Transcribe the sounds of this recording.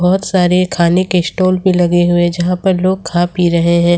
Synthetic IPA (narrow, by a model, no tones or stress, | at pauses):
bɔːʊt̪saːɾekʰaːnekesʈoːlbʱilɐɡeɦʊed͡ʒɐɦãpɐɾloːɡ̚kʰaːpiɾɐɦeɦɛ̃ː